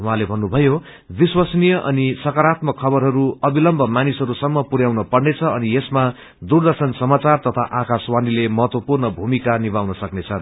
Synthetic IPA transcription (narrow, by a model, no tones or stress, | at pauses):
w̃ɦãlebʱʌnːubʱʌjo | biswʌsnijʌʔʌ̰nisʌkʌɾat̪mʌkʰːʌbʌɾɦʌɾuʌbilʌmbʱʌmanisɦʌɾusʌmːʌpuɾjawnʌpʌrnet͡sʰʌʌniesma | d̪urd̪ʌrsʌnsʌmat͡sart̪ʌt̪ʰaʔakaswanilemʌɦʌt̪wʌpurnʌbʱumikanibawnʌsʌknet͡sʰʌn